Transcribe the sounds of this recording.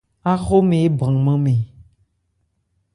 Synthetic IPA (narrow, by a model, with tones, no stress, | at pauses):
a˦xo˦mẽ˨e˦bã˨ŋmẽ˦mẽ˨